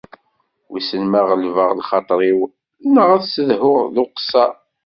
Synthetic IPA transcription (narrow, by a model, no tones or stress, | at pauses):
wisənmaʁəlvəʁlχɑt̪ˤɾˤiw | nəʁæðsəðhʊʁðʊqsɑ